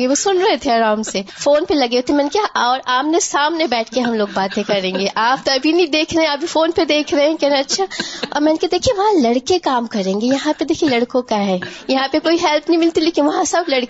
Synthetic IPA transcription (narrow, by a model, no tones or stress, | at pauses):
ɡeʋosʊnɾɐɦet̪ʰeɐɾaːmsefoːnpelɐɡeot̪ʰemɛ̃ːnekaɔːɾaːmnesaːmnebɛːʈʰkeɦɐmloːɡ̚baːt̪ẽkɐɾẽːŋɡeʔaːp̚t̪oɐbʱinɐĩd̪eːkʰɾɐɦẽaːp̚bʱifoːnped̪eːkʰɾɐɦeɛ̃kɛɾẽɐtːʃʰaɔ̰ːɾmɛːnked̪eːkʰieʋɐɦãlɐɽkekaːmkɐɾẽːŋɡejɐɦãped̪eːkʰielɐɽkõkaɦɛːjɐɦãpekoːiɦɛlpʰnɐɦĩmɪlt̪ileːkʰieʋɐɦãsɐblɐɽk